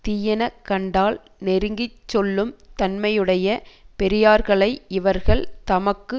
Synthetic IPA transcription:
t̪iːjɐnɐkːɐɳɖaːl | nɛɾɯŋɡɪt͡ʃːɔlːɯmt̪ɐnmɐjɯɽɐjɐpɛɾɪjaːɾɣɐɭɐɪɪʋɐɾɣɐɭt̪ɐmɐkːɯ

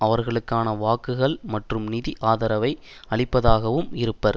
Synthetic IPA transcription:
ɐʋɐɾɣɐɭɯkːaːnɐʋaːkɯɣɐɭmɐʈrɯmnɪðiʔaːðɐɾɐʋɐɪ | ɐɭɪpːɐðaːɣɐʋɯmɪɾɯpːɐɾ

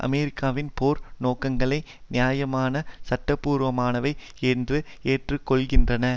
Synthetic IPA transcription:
ʔɐ̰mɛɾɪkːaːʋɪnpoːɾnoːkɐŋɡɐɭɐɪ | nɪjaːjɐmaːnɐsɐʈːɐpːuːɾʋɐmaːnɐʋɐɪ | eːndrɯ | eːʈrɯkːɔɭɣɪndrɐnɐ

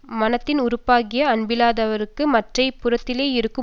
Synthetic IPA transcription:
mɐnɐt̪ːɪnʊɾʊpːaːɣɪjɐːnbɪlaːðɐʋɐɾɯkːɯmɐʈrɐɪpːʊrɐt̪ːɪleːɪɾɯkːɯ

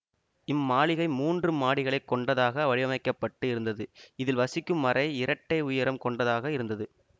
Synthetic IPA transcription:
ɪmːaːɭɪɣɐɪmuːndrɯmːaːɭɪɣɐɭɐɪkːɔɳɖɐðaːɣɐʋɐɻɪʋɐmɐɪkːɐpːɐʈːɯɪɾɯnd̪ɐðɯɪðɪlʋɐsɪkːɯmːɐrɐɪɪɾɐʈːɐɪʊjɐɾɐmkɔɳɖɐðaːɣɐɪɾɯnd̪ɐðɯ

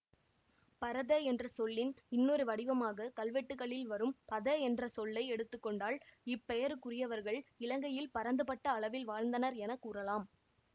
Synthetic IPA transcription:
pɐɾɐðɐɛndrɐsɔlːɪnɪnːoːɾɯʋɐɽɪʋɐmaːɣɐkɐlʋɛʈːɯɣɐɭɪlʋɐɾɯmpɐðɐɛndrɐsɔlːɐɪɛɽɯt̪ːɯkːɔɳɖaːɭɪpːɛjɐɾɯkʊrɪjɐʋɐɾɣɐɭɪlɐŋɡɐjɪlpɐɾɐnd̪ɯpɐʈːɐːɭɐʋɪlʋaːɻnd̪ɐnɐɾɛnɐkːuːrɐlaːm

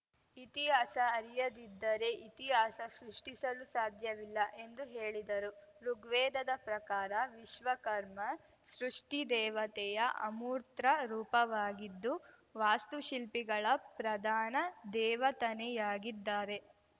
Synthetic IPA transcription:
it̪iɦaːsɐːɾijɐd̪id̪ːɐɾe̞ʔit̪iɦaːsɐsɾuʂʈisɐlusaːd̪ʱjɐʋilːɐʔe̞nd̪uɦeːɭid̪ɐɾuɾuɡʋɛːd̪ɐd̪ɐpɾɐkaːɾɐʋiʃʋɐkɐɾmɐ | sɾuʂʈid̪ɛːʋɐt̪ɛjɐʔɐ̰muːɾt̪ɾɐɾuːpɐʋaːɡid̪ːu | ʋaːst̪uʃilpiɡɐɭɐpɾɐd̪ʱaːnɐd̪ɛːʋɐt̪ɐnɛjaːɡid̪ːaːɾe̞

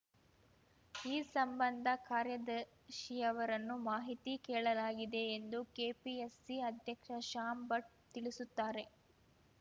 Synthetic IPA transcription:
iːsɐmbɐnd̪ʱɐkaːɾjɐd̪ɐ | ʃijɐʋɐɾɐnːumaːɦit̪ikɛːɭɐlaːɡid̪e̞ːnd̪ukeːpiesːiɐd̪ʱjɐkʂɐʃaːmbɐʈ̚t̪iɭisut̪ːaːɾe̞

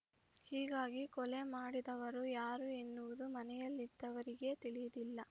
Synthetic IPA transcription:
hiːɡaːɡikɔlemaːɽid̪ɐʋɐɾujaːɾuenːuʋud̪umɐnɛjɐlːid̪ːɐʋɐɾiɡe̞t̪iɭijɐd̪ilːɐ

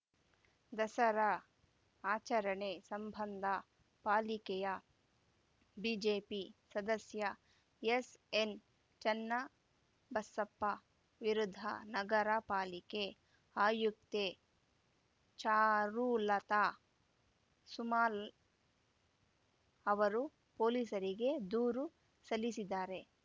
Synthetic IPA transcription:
d̪ɐsɐɾɐ | aːt͡ʃɐɾɐɳeːsɐmbʱɐnd̪ʱɐ | paːlikɛjɐ | bid͡ʒeːpisɐd̪ɐsjɐ | esen | t͡ʃɐnːɐ | bɐsɐpːɐ | ʋiɾud̪ʱɐ̰nɐɡɐɾɐpaːlike | aːjuk̚t̪e | t͡ʃaːɾulɐt̪aː | sumaːl | ɐʋɐɾu | poːliːsɐɾiɡe̞d̪uːɾu | sɐlːisid̪aːɾe̞

